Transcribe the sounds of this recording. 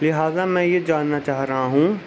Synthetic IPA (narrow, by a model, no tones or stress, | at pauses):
lɪɦaːzamɛ̃ːjed͡ʒaːnːat͡ʃaːɦɾɐɦaɦũː